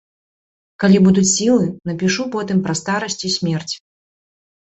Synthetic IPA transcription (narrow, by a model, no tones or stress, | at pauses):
kalʲibud̪ut͡sʲsʲilˠɨnɐpʲiʂupɔt̪ɨmpɾɐst̪aɾɐsʲt͡sʲisʲmʲɛrt͡sʲ